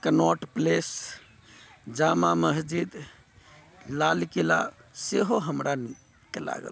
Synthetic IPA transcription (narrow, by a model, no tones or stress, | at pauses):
kənɔʈples | d͡ʒamaməsd͡ʒid̪ | lalkela̰seɦoɦəmɾani | kela̰ɡə̰l